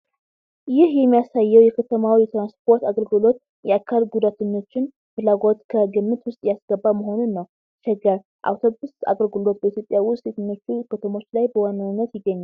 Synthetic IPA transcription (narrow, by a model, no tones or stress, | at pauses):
jɪhjɛmːijasajːɛwjɛkʰət̪ʰəmawijɛt̪ɾanspʰo̞ɾt̪aɡəlɡɨlo̞t̪ | jɛakʰːalɡud̪at̪ʰəɲːo̞t͡ʃːɪn | fɨlaɡo̞t̪kʰəɡɨmːɨt̪wʊst̪ʼjasɡ̥əbːaməɦo̞nunːəw | t͡ʃɛɡəɾ | ʔa̰wt̪ʰo̞busa̰ɡəlɡɨlo̞t̪̚bəit̪jo̞pʼjawʊst̪set̪ʰɨɲːo̞t͡ʃːukʰət̪ʰəmo̞t͡ʃːlajbəwanːanːət̪jɪɡːəɲːal